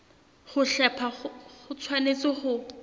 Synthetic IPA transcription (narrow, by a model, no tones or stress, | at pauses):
χʊɬɛpʰaχʊt͡sʰwanet͡sɪχʊ